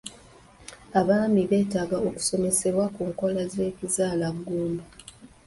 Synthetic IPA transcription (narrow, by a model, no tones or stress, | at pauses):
aβaːmiβe̞ːtaːɡao̞ku̥so̞me̞se̞βwakuːŋko̞laze̞ːcizaːlaβuɡuːmbu